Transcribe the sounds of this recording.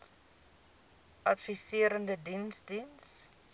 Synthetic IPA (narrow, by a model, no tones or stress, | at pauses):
ʔɐtfisiəɾəndədinsdins